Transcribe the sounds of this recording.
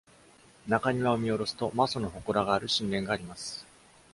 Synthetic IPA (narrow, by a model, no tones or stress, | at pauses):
nakaɲ̟iβaomʲio̞ɾo̞sɨ̥t̪o̞masono̞ɦo̞koɾaɡaːɾɯ̟ɕĩnɾẽ̞ŋɡaːɾʲimasɨ̥